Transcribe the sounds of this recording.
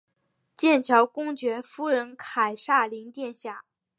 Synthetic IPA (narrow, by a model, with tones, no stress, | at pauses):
t͡ɕjɛ˥˩nt͡ɕʰjɑ˧˥ʊkʊ˥ŋt͡ɕɥɛ˧˥fu˥ɻə˧˥nkʰa˨˩ɪʂa˥˩li˧˥ŋt̪jɛ˥˧nɕja˥˩